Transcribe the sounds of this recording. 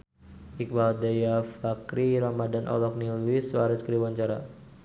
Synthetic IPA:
ʔik̚maldajafakɾiɾamadanʔɔ̰lɔk̚nilwiswaɾɛskəɾiwaɲt͡ʃaɾa̰

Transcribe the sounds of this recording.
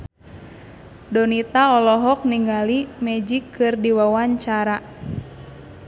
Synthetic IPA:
dɔnit̪aɔlɔɦɔk̚niŋɡalimɛd͡ʒikʰːɨrdiwawaɲt͡ʃaɾa

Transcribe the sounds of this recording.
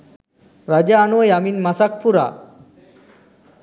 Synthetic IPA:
ɾad͡ʑaːnojaminmasak̚pʰuɾa̰

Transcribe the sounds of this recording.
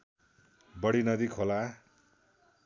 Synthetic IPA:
bʌɽinʌd̪ikʰola

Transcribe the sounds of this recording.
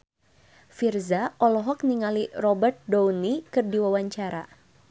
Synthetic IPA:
firzaɔlɔɦɔk̚niŋalirɔbərt̪̚downikɨrdiwawaɲt͡ʃaɾa̰

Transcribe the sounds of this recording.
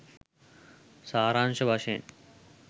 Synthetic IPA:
saːɾaːnʃɐbʱaʂḛːn

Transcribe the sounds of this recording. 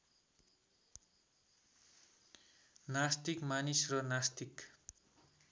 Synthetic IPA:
nast̪ikmanisrʌnast̪ik

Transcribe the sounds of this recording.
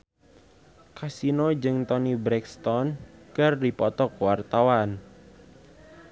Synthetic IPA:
kasinod͡ʒɨŋt̪ɔnibɾɛkst̪ɔnkərdipɔt̪ɔkwart̪awan

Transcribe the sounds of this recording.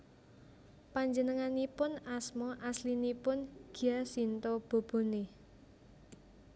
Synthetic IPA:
paɲd͡ʒənəŋanipʊnasmɔʔaslinipʊnɡ̥iasint̪ob̥o̤b̥o̤ne

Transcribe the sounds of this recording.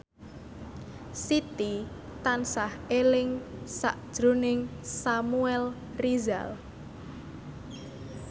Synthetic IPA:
sit̪i | t̪ansahelɪŋsa̰ʔd̥ʒ̥ɾonɪŋsamuɛl | riza̰l

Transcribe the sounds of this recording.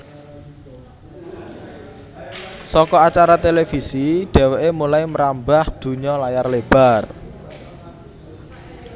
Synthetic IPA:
sɔkɔat͡ʃaɾat̪elefisiɖ̥ɛ̤weʔemulaiməɾambahd̪̥ṳɲɔlajarleb̥a̤r

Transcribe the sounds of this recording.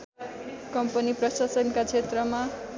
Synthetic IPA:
kʌmpʌniprʌsasʌnkat͡sʰet̪rʌma

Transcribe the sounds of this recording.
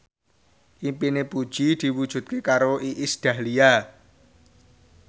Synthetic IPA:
ʔimpinepud̥ʒ̥id̪̥i̤wud̥ʒ̥ṳt̪̚kekaɾoʔiʔisd̪̥ä̤lia

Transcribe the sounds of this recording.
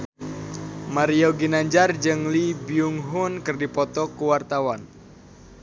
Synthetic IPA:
maɾioɡinaɲd͡ʒard͡ʒɨŋlibiuŋɦʊnkɨrdipɔt̪ɔkuwart̪awan

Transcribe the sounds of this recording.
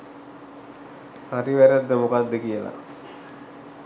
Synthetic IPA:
ariʋæɾəd̪ːəmokad̪ːəkijəla̰

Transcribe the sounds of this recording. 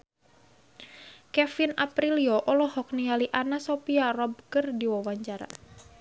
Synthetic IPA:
kɛfinapɾiliɔʔɔlɔhɔk̚nialiʔanasopiarɔb̚ɡərdiwawaɲt͡ʃaɾa̰

